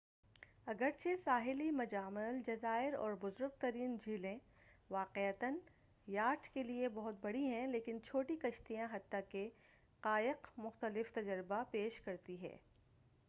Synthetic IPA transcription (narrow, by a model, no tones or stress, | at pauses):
ɐɡəɾt͡ʃʰesaːɦɪlimɐd͡ʒaːmɪld͡ʒɐzaːɪɾɔ̰ːɾbʊzʊɾɡ̚t̪ɐɾiːnd͡ʒʱiːlẽ | ʋaːqeət̪ən | jaːʈʰkeliebɐɦʊt̪̚bɐɽiɦɛ̃leːkɪnt͡ʃʰoːʈikɐʃt̪ijãɦɐt̪ːake | qaːɪqmʊxt̪əlɪft̪ɐd͡ʒəɾɪbapeːʃkɐɾt̪iɦɛ̰ː